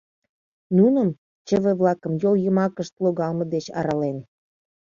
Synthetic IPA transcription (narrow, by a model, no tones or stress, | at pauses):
nunəm | t͡ɕə̆βĕβlɑkəmjoljəmɑkəʃt̪loɣɑlmɤ̆d̪et͡ɕɑ̰ɾɑlen